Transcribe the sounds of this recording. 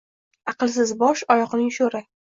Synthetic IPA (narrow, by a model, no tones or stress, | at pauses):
ɑqɨlˠsɪzbɒʃɒjɒqnɪŋʃoɾɪ